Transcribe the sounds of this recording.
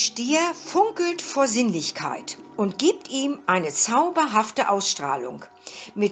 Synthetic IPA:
ʃteːɐfʊŋkl̩tfoːɐzɪnlɪçkʰa̰ɪtʔʊntɡ̥iːp̚tʔiːmʔaɪnət͡saʊbɐɦaftəʔaʊsʃtʁ̥a̰ːlʊ̰ŋ | mɪt

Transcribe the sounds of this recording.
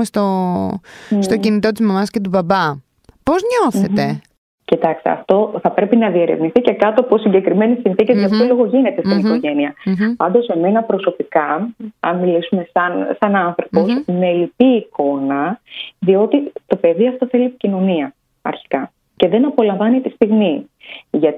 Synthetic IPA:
est̪o | st̪o̞cinit̪o̞t̪izmɐmɐsce̞t̪ubɐbɐ | po̞zɲo̞θe̞t̪e̞ | cit̪ɐkst̪ḛɐ̰ft̪o̞θɐpɾe̞pinɐðieɾe̞vniθice̞kɐt̪oposiɲɟe̞kɾime̞nisinθicezʝɐpolo̞ɣo̞ʝinet̪e̞sinio̞ʝe̞niɐpɐnd̪o̞se̞me̞nɐpɾo̞so̞pikɐɐnmilisume̞sɐnsɐnɐnθɾopo̞sme̞lipiːko̞nɐðio̞t̪it̪o̞pe̞ðiɐft̪o̞θe̞liepi̥cino̞niɐ | ɐ̰ɾçi̥kɐ | ce̞ðe̞nɐpo̞lɐɱvɐnit̪ist̪iɣmi | ʝɐt̪

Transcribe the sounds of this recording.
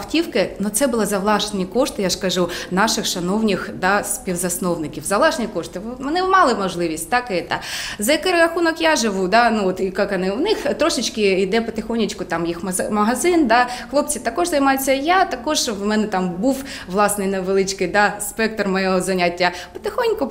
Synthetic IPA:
wtʲiwkɪnut̪sɛbʊlˠɪzɐʋlˠɑʃnʲikɔʂt̪ɪjaʂkɐʒunɑʃɪxʃɐnɔwnʲixd̪ɑspʲiwzɐsnɔwnɪkʲiwzɐʋlˠɑʒnʲikɔʂt̪ɪʋmɛnɛmɑlˠɪmɔʒlˠɪʋʲisʲtʲt̪ɑkɪɛt̪ɑzɐjɐkɪɾɾɐxunɔkjaʒɪʋud̪ɑnuɔt̪ikɑkɐnɪwnɪxt̪ɾɔʃɪt͡ʃkɪid̪ɛpɐt̪ɪxɔnʲit͡ʃkʊt̪ɑmjixmɐmɐɦɐzɪnd̪ɑxlˠɔp̚t͡sʲit̪ɐkɔʒzɐjmɑjet͡sʲːɐjat̪ɐkɔʒʋmɛnɛt̪ɑmbuw | ʋlˠɑsnɪjnɐʋelˠɪt͡ʃkɪjd̪ɑspɛk̚t̪rmɔjɔɦɔzɐnʲatʲːɐ | pɐ̥t̪ɪxɔnʲkʊ

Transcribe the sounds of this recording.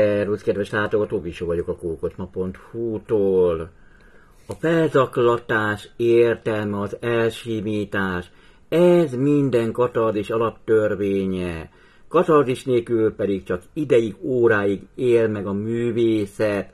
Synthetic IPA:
ɛruskɛd̪ʋɛʃlaːt̪o̞ɡɒt̪oːviʃoːvɒɟo̞kɒkoːkot̪mɒpo̞nt̪huːt̪oːl | ɒfɛlzɒklɒt̪aːʃeːrt̪ɛlmɛɒzɛlʃimiːt̪aːʃ | ɛzmind̪ɛŋkɒt̪ɒrd̪iʃɒlɒpt̪ørveːɲɛ | kɒt̪ɒrziʃneːkylpɛd̪ikt͡ʃɒkid̪ɛjiɡoːɾaːjiɡeːlmɛɡɒmyːveːsɛt̪

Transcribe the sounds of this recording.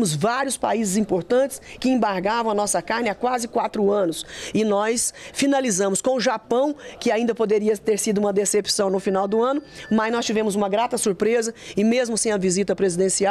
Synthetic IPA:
mʊzvaɾjʊspaizɪzĩpoɾt̪ɐ̃nt͡ʃɪ̥skɪẽmbaɾɡavɐ̃w̃ɐnɔsɐkaɾnɪakwazɪkwat̪ɾʊɐ̃nʊsɪnɔsfinalizɐ̃mʊskõw̃ʊʒapɐ̃w̃kɪaĩd̪ɐpod̪eɾiɐt̪eɾsid̪ʊũmɐd̪esepsɐ̃w̃nʊfinawd̪ʊɐ̃nʊmɐznɔst͡ʃivẽmʊzũmɐɡɾat̪ɐsuɾpɾezɐɪmezmʊsẽj̃ɐvizit̪ɐpɾezid̪ẽsia

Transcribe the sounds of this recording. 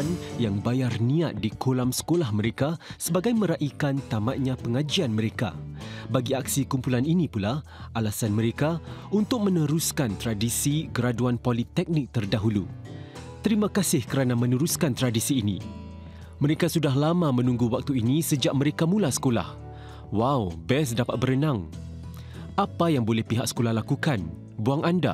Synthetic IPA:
njaŋbajarniat̪̚dikʰolamsə̥kolahməɾekasəbaɡajmə̃ɾaʔikant̪amat̪̚ɲãpəŋad͡ʒianməɾeka̰baɡiak̚sikumpulaninĩpula | ʔalasanməɾekaunt̪ʊk̚mə̃nəɾuskant̪ɾadisiɡəɾaduanpolit̪ɛk̚nɪk̚t̪ərdaɦulu | t̪əɾimãkasɪhkəɾanamə̃nəɾuskant̪ɾadisiːnḭ | məɾekasudaɦlamamə̃nũŋɡuwak̚t̪uinisəd͡ʒaʔ̚məɾekamũlasə̥kola̰h | wawbɛs̬dapat̪̚bəɾənãŋ | ʔapajaŋbolɛhpiɦak̚sə̥kolahlakukan | buaŋʔanda̰

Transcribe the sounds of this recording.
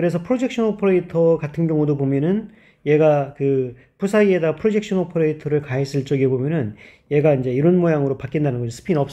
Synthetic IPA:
kɯɾe̞s̬ʰʌpʰɯɾod͡ʑe̞k̚ɕ͈ʰʌnopʰoɾeitʰʌkatʰɯnɡjʌŋudobomjʌnɯn | je̞ɡakɯ | pusʰaie̞daɡapʰɯɾod͡ʑe̞k̚ɕ͈ʰʌnopʰoɾeitʰʌɾɯɭkaɦes͈ɯɭt͡ɕ͈ʌɡebomjʌnɯn | je̞ɡaind͡ʑe̞iɾʌnmojaŋɯɾopak͈indanɯnɡʌd͡ʑosʰɯ̥pʰinʌp̚s

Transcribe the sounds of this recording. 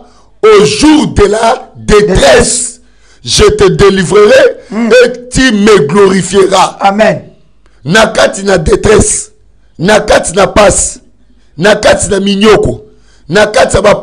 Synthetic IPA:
oʒuʁdeladetʁɛs | ʒetedelivʁeʁeetimeɡloʁifjeʁa | nakatinadetʁɛs | nakatinapasi̥ | nakatinamiɲɔkɔ | nakatijabap

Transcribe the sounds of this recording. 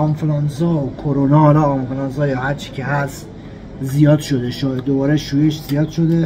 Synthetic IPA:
ɒmflɑnzɒːokʰoɾonɒhɒlɒːmfelɑnzɒːjɒːhæɾt͡ʃʰi̥cʰeɦæst̪ | zijɒːd̪ʃod̪eʃɒːjeobɒːɾeʃuːjeʃzijɒːd̪̥ʃo̞d̪e

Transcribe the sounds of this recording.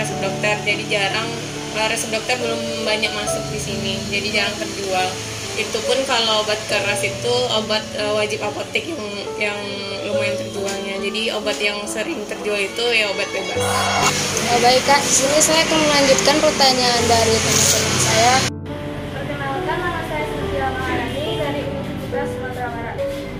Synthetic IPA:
ɛsəp̚dɔk̚t̪ərd͡ʒadid͡ʒaɾaŋ | əɾɛsəp̚dɔk̚t̪ərbəlʊm | baɲak̚masʊk̚disinid͡ʒadid͡ʒaɾaŋt̪ərd͡ʒual | it̪upʊnkaloobat̪̚kəɾasit̪uobat̪̚əwad͡ʒɪpapot̪ɪkjaŋ | jaŋ | ləŋmaɪnt̪ərd͡ʒualɲad͡ʒadiobat̪jaŋsəɾɪŋt̪ərd͡ʒualit̪ujaobat̪̚jaba | ŋabaɪkːaisinisajakanməlaɲd͡ʒut̪̚kanrut̪aɲaːnbaɾit̪ansət̪anansaja | bərkənalkaaasaaiaaaau | basmat̪ɾamaɾa

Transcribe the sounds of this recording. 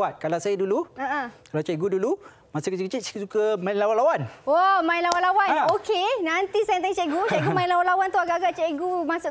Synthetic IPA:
at̪̚kalawsajəduluəəkalawt͡ʃɛɡudulu | masakət͡ʃəkət͡ʃissukəmãinlawanlawanamãinlawanlawanokenãnt̪isajət̪̬ɛŋt͡ʃɛʔɡut͡ʃɛʔɡumajinlawanlawant̪uaɡaʔaɡaʔt͡ʃɛʔɡumãsʊʔ

